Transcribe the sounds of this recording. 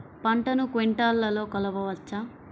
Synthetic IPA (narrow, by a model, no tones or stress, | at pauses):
pɐɳʈɐnukʋeɳʈaːlːɐlo̞ːkɐlɐʋɐʋɐt͡ʃːaː